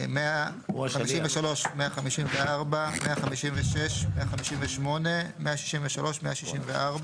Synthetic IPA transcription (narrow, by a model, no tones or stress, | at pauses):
mea | amiʃimveʃalo̞ʃmeaχamiʃimveaʁbameaχamiʃimveʃeʃmeaχamiʃimveʃmo̞ne̞meaʃi̥ʃimveʃalo̞ʃmeʔaʃiʃimveʔaʁba